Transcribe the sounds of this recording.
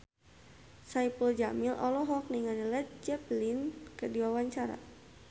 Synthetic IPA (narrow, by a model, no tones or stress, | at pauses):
saipəld͡ʒamilʔɔlɔɦɔk̚niŋanilɛt̪̚d͡ʒɛplinkədiwawaɲt͡ʃaɾa̰